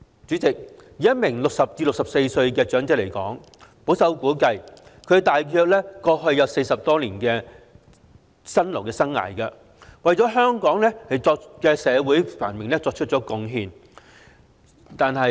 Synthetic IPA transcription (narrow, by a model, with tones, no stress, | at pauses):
t͡syː˨˥t͡sɪ˨k̚jiː˨˥ɐ˥t̚mɪ˨˩ŋlʊ˨k̚sɐ˨p̚t͡siː˧lʊ˨ksɐ˨p̚se˧jsɵ˧ɥkɛː˧t͡ʃœː˨˥ŋt͡sɛ˥le˨˩jkɔ̰ː˨˥ŋ | po˨˥wsɐ˨˥wkuː˨˥kɐ˧jkʰɵ˨˧t̪aː˨jkʰœː˧k̚lɛː˥kɔː˧ɦɵ˧ɥjːɐ˨˧wse˧jsɐ˨p̚t̪ɔː˥liː˨˩nkɛː˧ | sɐ˥nlo˨˩wkɛː˧sɐ˥ŋːa̰ː˨˩jkɐ˧ | wɐ˨jt͡sɔː˨˥ɦœː˥ŋkɔː˨˥ŋlɛː˥hɐ˨jt͡sɔː˧k̚kɛː˧sɛː˨˧wuː˨˥jfa̰ː˨˩nmɪ˨ŋlɛː˥t͡sɔː˧k̚t͡ʃʰɵ˥t̚t͡ʃɔː˨˥kʊ˨˧ŋɦiː˧n | t̪aː˨nhɐ˨˧